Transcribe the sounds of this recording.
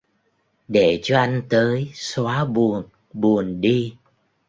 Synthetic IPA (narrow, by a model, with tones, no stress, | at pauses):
ɗe˧˩t͡ɕɔ˧ʔa˧jŋ̟t̪əː˨˦jswaː˨˦ɓu˨˩ən | ɓu˨˩ənɗi˧